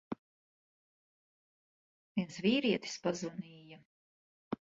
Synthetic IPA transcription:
vʲiɛnsviːɾiɛt̪i̥spazvaniːja

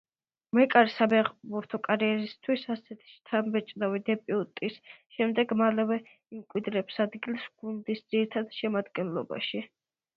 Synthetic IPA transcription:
mɛkʼaɾisabɛʁbuɾt̪ʰɔkʼaɾiɛɾist̪ʰwisasɛt̪ʰi̥ʃt̪ʰambɛt͡ʃʼnavid̪ɛpʼiut̪ʼisʃɛmd̪ɛɡmalɛvɛ | imkʼwid̪ɾɛpsad̪ɡilˠsɡ̥und̪isd̪z̥iɾit̪ʰad̪ʃɛmad̪ɡɛnlɔba̰ʃi

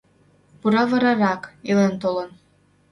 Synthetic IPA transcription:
puɾɑvɤ̆ɾɑɾɑkilent̪olɤn

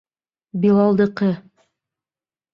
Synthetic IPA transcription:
bilˠɑlˠd̪ɤ̆qɤ

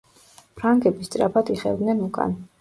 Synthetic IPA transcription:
pʰɾaŋɡɛbist̪sʼɾa̰pʰad̪iχɛ̰vd̪nɛnukʼa̰n

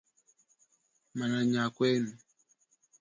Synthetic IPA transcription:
manaɲakwɛn

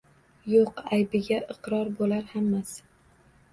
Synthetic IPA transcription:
joqajbɪɡʲaʔɨqɾɒɾbolaɾhamːas

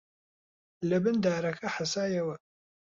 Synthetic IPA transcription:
lɨbɨndaːɾɐxɐħasaːjɐwɐ

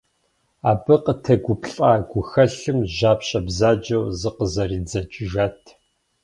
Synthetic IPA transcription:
aːbɨqətʰɐɡʷʊpʰɬʼaːɡʷʊxɐɬɨmʒaːpɕʼɐbzaːd͡ʒɐwzɨqəzɐriːd͡zɐt͡ʃʼɪʒaːtʰ

